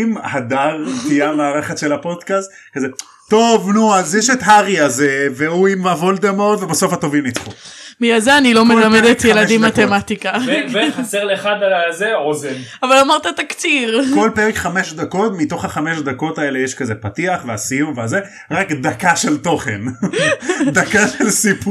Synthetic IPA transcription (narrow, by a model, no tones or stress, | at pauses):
mhad̪aʁtijamaːʁeχet̪ʃe̞lapo̞d̪kast̪ | kaze | t̪o̞vnuazjɛʃet̪ɦaʁiazeveuimavold̪emaod̪vebaso̞fhat̪ovimnit͡sχumijazeanilo̞melamed̪et̪jeladimːat̪emat̪ikavveχaseʁleːχad̪alazeozenavalamaʁt̪at̪akt͡siʁko̞lpeʁekχameʃd̪ako̞tmit̪o̞χhaχameʃd̪ako̞t̪aele̞jeʃkazepat̪iaχveasijumveaze | ʁakd̪akaʃe̞lt̪o̞χen | d̪akaʃelsipu